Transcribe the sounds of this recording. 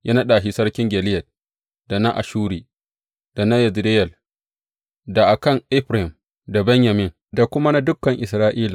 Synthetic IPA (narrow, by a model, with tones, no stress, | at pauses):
jʔa˦nɐ˦ɗaː˨ʃi˦sɐ˦rkʲɪ˦ŋɡʲɛ˨lɪ˦jɐ˨t̚ | da˨na˦ʔa̰˨ʃuː˦ɾiː˨ | d̥a˨na˦jɐ˨zde˦jɛ˨l | da˨ʔa˨kɐ˦˨ŋʔɪ˦ɸɾa˨hɪ˨m | da˨bɛ˦ɲja˨mɪ˦˨ŋ | da˨kʷʊ˦ma˦na˦dʊ˦kːɐ˨ŋʔɪ˨sɾaː˦ʔiː˦la˨